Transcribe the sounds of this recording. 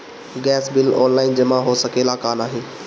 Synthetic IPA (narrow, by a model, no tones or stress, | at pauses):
ɡɛːsbɪlɔ̰ːnlaːɪnd͡ʑɐmãɦosɐkeːlakaːnaːɦeː